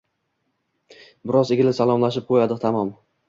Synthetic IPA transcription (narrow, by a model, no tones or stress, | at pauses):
bɪɾɒzeɡʲɪlɪsalˠɒmlaʃɪp̚qʰojad̪ɪt̪ʰamɒm